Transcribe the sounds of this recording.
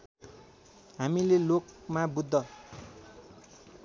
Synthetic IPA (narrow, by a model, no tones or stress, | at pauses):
ɦamilelok̚mabud̪ʱːʌ